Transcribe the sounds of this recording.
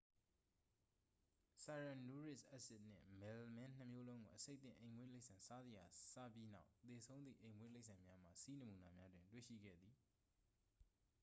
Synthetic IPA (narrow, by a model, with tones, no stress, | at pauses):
sa˨ɹã˨nu˦ɹɪ˦sʔɛ˦ʔsɪ˦ʔn̥ɪ̰̃˦˨mɛ˨lmɛ̃˦n̥əmjo˦lõ˦ʊ̃ŋɡo˨ʔəse˦t̪θɪ̰̃˦˨ʔẽ˨ɪ̃mwe˦le˦ɪʔsã˨nsa˦zə˨ja˨sa̰˦˨pji˦na˦ʊt̪e˨sʰõ˦ʊ̃nd̪ðḭ˦˨ʔẽ˨ɪ̃mwe˦le˦ɪʔsʰã˨mja˦m̥a̰˦˨si˦nə˨mu˨na˨mja˦dwɪ̃˨ntwḛ˦˨ʃḭ˦˨ɡɛ̰˦˨d̪ði˨